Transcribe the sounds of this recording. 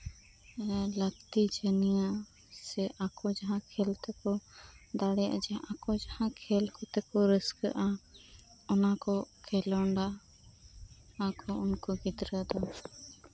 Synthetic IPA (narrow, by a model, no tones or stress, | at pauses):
lək̚t̪id͡ʒənija | sɛʔakɔd͡ʒaɦãkʰɛlt̪ɛkɔd̪aɽɛja̰ʔd͡ʒɛʔakɔd͡ʒahãkʰɛlkɔt̪ɛkɔɾəskə̰ʔa | ɔnakɔkʰɛlɔɳɖa | akɔunkɔɡid̪ɾəd̪ɔ